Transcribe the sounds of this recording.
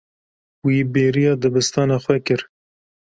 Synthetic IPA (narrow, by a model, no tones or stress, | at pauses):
wiːbeːɾijɑːd̪ɨbɨst̪ɑːnɑːxwɛkɨɾ